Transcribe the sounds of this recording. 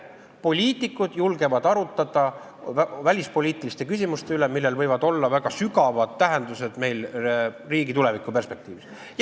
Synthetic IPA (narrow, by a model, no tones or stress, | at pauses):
po̞lʲiːt̪ˑikːˑud̪̥julɡe̞vɑd̪ɑɾut̪ːˑɑd̪̥ɑ | vælʲispo̞lʲiːt̪ilist̪e̞kys̬ʲimust̪e̞ylemilːe̞lvɤjvɑd̪o̞lːɑvæɡ̥ɑsyɡɑvɑd̪̥̚t̪æɦe̞nd̪use̞d̪̥me̞jl | riːɡit̪ule̞vikːˑupe̞rspe̞k̚t̪iːvis | j